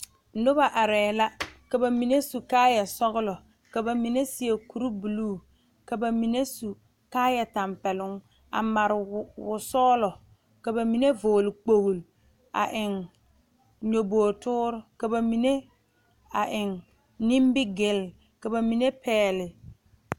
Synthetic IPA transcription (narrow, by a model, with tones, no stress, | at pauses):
lʊ˦ba˨ʔa˨ɾɛː˨la˦ka˨ba˨mi˨ne˦su˨kaː˦ja˨sɔ˦ɣʊ˦lɔ˨ | ka˨ba˨mi˨ne˦sɪ˨e˨ku˨ɾu˦bu˨luː˦˨ | ka˨ba˨mi˨ne˦su˨ | kaː˦ja˨ta˨mpɛ˨lʊ˦ŋ | a̰˨ma˨ɾɪ˨wʊ˨sɔː˦lɔ˨ | ka˨ba˨mi˨ne˦vo˨lɪ˨k͡po˨ɣu˨l | a̰˨ʔɪ˨ŋ | ɲo˨boː˨tʊː˦ɾʊ˦ka˨ba˨mi˨ne˦ | a˨ʔɪ˨ŋ | nɪ˦mbɪ˦ɡɪ˨l | ka˨ba˨mi˨ne˦pɛː˦lɪ˨